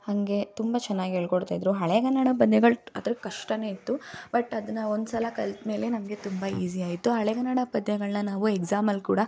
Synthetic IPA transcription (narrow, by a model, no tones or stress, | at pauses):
hɐŋɡe̞t̪umbɐt͡ʃɛnːaːɡiɦeɭkoɽt̪aːjd̪ɾuɦɐɭeɡɐnːɐɽɐp̬ɐd̪nɛɡɐɭɐ̰d̪ɾkɐʂʈɐne̞ːit̪ːubɐʈɐd̪ɐnːɐond̪sɐlɐkɐlt̪me̞ːle̞nɐmɐɡe̞t̪umbɐiːsiaːɡit̪ːuɦɐɭɛɡɐnːɐɽɐpɐd̪ɲɛɡɐɭnɐnaːʋueɡzaːmɐlkuːɽɐ